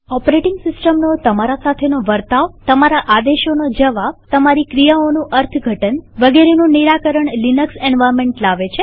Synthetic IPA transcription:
ɔpɾeʈɪŋɡsɪsʈəmnot̪əmaɾasat̪ʰenoʋəɾt̪aʋt̪əmaɾaʔad̪eʃonod͡ʒəʋaʋt̪əmaɾikɾijaonũʔəɾt̪ʰɡʱəʈənʋəɡeɾenũniɾakəɾəɳlinəksɛɳʋajɾmẽɳʈlaʋet͡ʃʰe

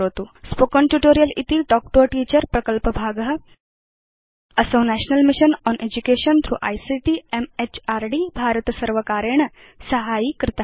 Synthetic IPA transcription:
ɦot̪uːspokəɳʈjuʈoːɾijəlit̪iːʈɔk̚ʈoʈiːt͡ɕəɾpɾɐkəlpəbʱaːɡəɦ | ɐsəʋnæɕnəlmiʃənɔnʔed͡ʑukeʃənt̪ʰɾṵːʔa̰jsiʈiemet͡ɕaɾɖibʱaɾət̪sɐɾʋəkaɾeɳ | səɦaiːkɾɪt̪a

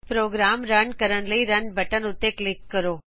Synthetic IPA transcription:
pɾoːɡɾaːmɾɐɳkɐɾənlɐiɾɐɳɖbʱɐʈənʊt̪ːeklɪkːəɾoː

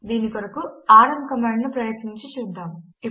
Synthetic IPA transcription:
d̪iːnikɐɾɐkuaːɾɐmkɐmaːɳɖnupɾɐjɐt̪niɲt͡ʃit͡ʃuːd̪ːaːmui

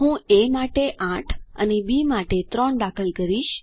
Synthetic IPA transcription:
ɦũemaʈeʔãʈʰə̰nebimaʈet̪ɾɔɳd̪akʰəlkəɾiʃ

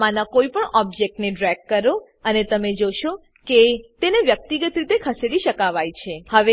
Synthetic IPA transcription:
manakoipəɳɔb̚d͡ʒek̚ʈneɖɾɛɡ̚kːəɾo | ənet̪əmed͡ʒoʃo | ket̪eneʋjək̚t̪iɡət̪ɾit̪ekʰəseɽiʃəkaʋajt͡ʃʰehəʋe

